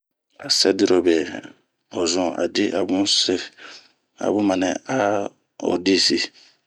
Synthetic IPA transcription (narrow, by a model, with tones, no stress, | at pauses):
a˨sɛ˦di˦ɾo˨bɛ˨ | o˨zɔ̃˨a̰˨di˦ʔa˨bũ˦se˦ | a̰˨bũ˦ma˨nɛ̃˨a˦ | o̰˨di˦si˨